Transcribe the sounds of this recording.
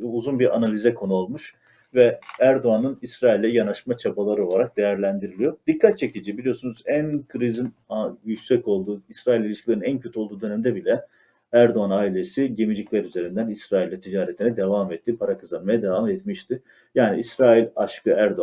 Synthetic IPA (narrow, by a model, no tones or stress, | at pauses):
uzunbiɾʔa̰nalʲizɛkʰo̞nuolˠmuʃ | vɛæɾd̪oanɯnisɾaːilʲd̪ʲɛjanaʃmat͡ʃʰabalˠaɾɯo̞lˠaɾak̚d̪e̞jæɾlʲænd̪iɾilʲijo̞d̪ikʰːat̪̚t͡ʃʰe̞cʰid͡ʒibilijo̞sunuzænkʰɯɾizin | jycsɛco̞lˠd̪uːisɾaːilʲilʲiʃcʰilʲeinæncʰø̞t̪ʰyo̞lˠd̪uːd̪ø̞næmd̪ɛbilʲɛ | æɾd̪oanaːilʲe̞siɟe̞mid͡ʒiclʲæɾyze̞ɾind̪ænisɾaːilʲːɛt̪ʰid͡ʒaːɾet̪ʰinɛd̪e̞vamɛt̪ʰːipʰaɾakʰɯzanmajad̪evamɛt̪miʃt̪ɪ | jaːnḭisɾaːilʲaʃkʰɯæɾd̪o